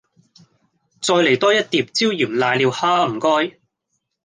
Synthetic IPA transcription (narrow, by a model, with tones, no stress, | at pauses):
t͡sɔː˧jle˨˩jt̪ɔː˥jɐ˥t̚t̪iː˨p̚t͡siː˥wjiː˨˩mlaː˧jliː˧whaː˥m̩˨˩kɔː˥j